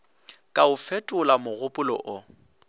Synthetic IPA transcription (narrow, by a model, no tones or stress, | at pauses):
kʼaʊfɛtʼʊlamʊɣʊpʼʊlɔ̰ʔʊ